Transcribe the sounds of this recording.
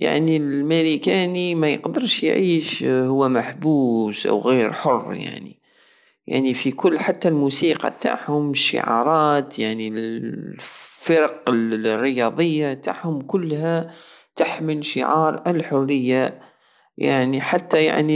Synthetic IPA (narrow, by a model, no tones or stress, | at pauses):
ja̰ʕnilmɪɾikæːnimæjə̰qd̪əɾʃjʕiːʃhʊwːæmaħbuːsʔa̰wɣiːɾħʊrˤːja̰ʕnḭ | ja̰ʕnifikʊlːħat̪ːalmuːsiːqɑ̰t̪a̰ʕhʊmʃːɪ̰ʕɑ̰ːɾˤɑːt̪jaʕni | fɪɾɑqɪlrːɪjɑːd̪ˤəjːat̪a̰ʕhʊmkʊlːhæ | t̪aħmɪlʃɪ̰ʕɑːɾˤɪlħʊrːɪjːa | ja̰ʕniħat̪ːaja̰ʕni